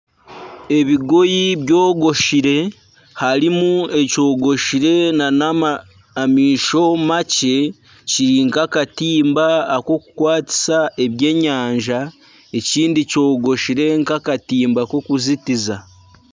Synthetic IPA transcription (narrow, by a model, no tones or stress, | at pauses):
e̞βiɡo̞jiβjo̞ːɡo̞ʃiɾe̞ | haɾimue̞co̞ːɡo̞ʃiɾe̞nana | miːʃo̞mace̞ | ciɾiŋkakatiːmbaːko̞kukwaːti̥saʔe̞βje̞ːɲaːɲʒa | e̞ciːndico̞ːɡo̞ʃiɾe̞ŋkakatiːmbako̞kuzitiza